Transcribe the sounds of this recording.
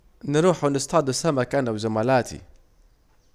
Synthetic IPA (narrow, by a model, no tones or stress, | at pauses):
nɪɾuːħunɪst̪ʰaːd̪ʊsamakanawzamalaːt̪ʰḭ